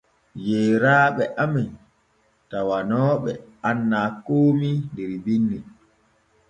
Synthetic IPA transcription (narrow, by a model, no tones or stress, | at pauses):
jɛːɾaːɓɛʔamɛn | tawanɔːɓɛ̰ʔanːaːkoːmindɛɾbinːi